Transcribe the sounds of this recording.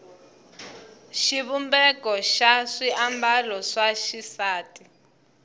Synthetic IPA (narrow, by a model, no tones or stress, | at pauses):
ʃiβumbɛkɔʃaʂiʔambalɔʂaʃisaːtʼi